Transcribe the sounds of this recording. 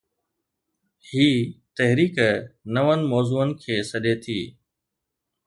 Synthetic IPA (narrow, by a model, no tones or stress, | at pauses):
hiːt̪ɐɦɾiːknɐʋənɪ̆mɔːzuːənɪ̆kʰeːsɐɗet̪ʰiː